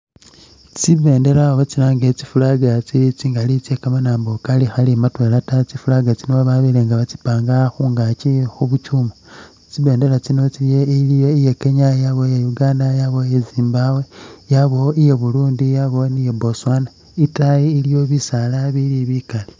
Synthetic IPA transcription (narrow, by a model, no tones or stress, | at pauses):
t͡siβe̞ːnde̞laβot͡silaːŋɡet͡si̥fulaɡat͡siit͡siŋɡalit͡sekamanaːmbokalixalimatwe̞latat͡sifulaɡat͡sinoβaβileŋɡaβat͡si̥paːŋɡaxuːŋɡat͡ʃixuβut͡ʃumo | t͡siβe̞ːnde̞lat͡sino̞t͡siljeilijo̞ijekeɲajaβo̞jejuɡaːndajaβo̞jeziːmbawe̞jaβo̞ijeβuluːndijaβo̞nijeboswana | itajiilijo̞βisalaβiliβikali